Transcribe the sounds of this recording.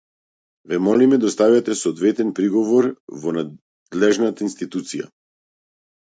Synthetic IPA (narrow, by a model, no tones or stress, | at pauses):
vɛmɔlimɛd̪ast̪avat̪ɛsoːd̪vɛt̪ɛnpɾiɡɔvɔɾvɔna | d̪lɛʒnat̪ainst̪it̪ut̪sija̰